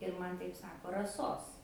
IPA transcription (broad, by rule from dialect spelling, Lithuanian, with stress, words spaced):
ɪr ˈmɐn ˈtɐɪp ˈsɑːkoː rɐˈsoːs